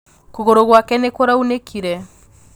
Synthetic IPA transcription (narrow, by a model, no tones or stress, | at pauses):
koɣoɾoɣwakɛnekoɾaunekʰiɾɛ